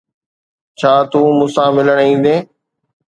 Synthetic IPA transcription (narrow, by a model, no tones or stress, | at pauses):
t͡ɕʰaːt̪ũːmũsãːmɪləɽ̃ĩːnd̪eː